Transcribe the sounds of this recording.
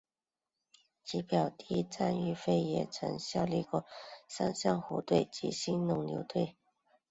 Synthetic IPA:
t͡ɕi˧˥pjɑ˨˩ʊt̪i˥˧i˥t͡sa˥˧ny˥˧fe˥ɪjɛ˨˩t͡sʰɤ̰˧˥ŋɕjɑ˥˧ʊli˥˧kwɔ˥˩sa˥nɕjɑ˥˩ŋxɔ˧˥t̪we˥˩ɪt͡ɕḭ˧˥ɕi˥nnʊ˧˥˩ŋljo˧˥ʊt̪we˥˩ɪ

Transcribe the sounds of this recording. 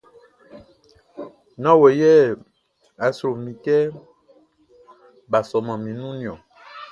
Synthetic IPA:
nã˦we˨jɛ˦ | a˨sɾo˨mĩ˨kɛ˦ | ba˨sɔ˨mã˨mĩ˨nũ˦nĩ˨ɔ̃˨

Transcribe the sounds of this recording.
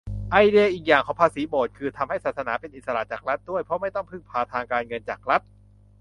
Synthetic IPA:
ʔa˧jdi˧ʔiː˨˩k̚jaː˨˩ŋkʰɔː˨˩˦pʰaː˧siː˩˦boː˨˩t̪̚kʰɯː˧t̪ʰa˧mha˥˩jsaː˨˩t̪sa˧˥naː˩˦pe˧nʔi˨t̪̚sa˧la̰ː˨˩t͡ɕaː˨˩k̚ɾa˦˥t̪̚du˥˩əjpʰɔ˦˥ma˥˩jt̪ɔ˥˩pʰɯ˥˩ŋpʰaː˧t̪ʰaː˧ŋkaː˧nŋɤ˧nt͡ɕaː˨˩k̚ɾa˦˥t̪̚

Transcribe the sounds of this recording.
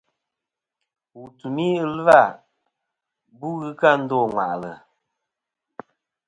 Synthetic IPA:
wu˨tu˨ni˦ɨ˦lɨ˦va˦˨ | bu˦ɣɨ˦ka˦˨n̩˦dɔ˦˨ŋwa̰˨ʔlə̰˨

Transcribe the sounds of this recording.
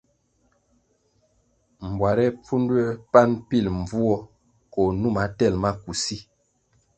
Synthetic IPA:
m̩˨bwa˨ɾɛ˦p͡fu˦ndwɛ˦pa˦npi˦˨lm˨vu˦ɔ˦ | kɔ˨nu˦˨ma˨tɛ˦˨lma˦ku˨si˦

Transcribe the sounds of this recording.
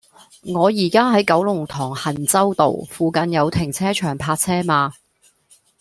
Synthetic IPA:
ŋɔː˨˧jiː˨˩kaː˥ɦɐ˨˥jkɐ˨˥wlʊ˨˩ŋt̪ʰɔː˨˩ŋhɐ˨˩nt͡sɐ˥wt̪o̰˨wfuː˨˧kɐ˨njɐ˨˧wt̪ʰɪ˨˩ŋt͡sʰɛː˥t͡ʃʰœː˨˩ŋpʰaː˧t̚t͡sʰɛː˥maː˧

